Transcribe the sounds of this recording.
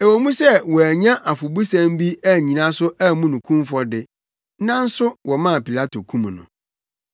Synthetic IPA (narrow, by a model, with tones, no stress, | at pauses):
e˨wo˨mũ˦sɛ˦wɔ˨æ˨ɲã˦ʔa˨fʊ˨bu˦sã˦m˦bi˦æ˦˨ɲĩ˨nã˦sʊ˦æ˦mũ˦nũ˨kʰũ˦mfɔ˦dɪ˨ | nã˦n̩˦sʊ˦wɔ˨mã˦˨pi˨la˦tʰo˨kʰũ˦m˨nʊ̰̃˨